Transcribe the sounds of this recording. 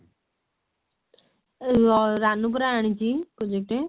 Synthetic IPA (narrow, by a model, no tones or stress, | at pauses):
ɔɾanũp̬uɾaaɽ̃ĩt͡ʃikod͡ʒekʈe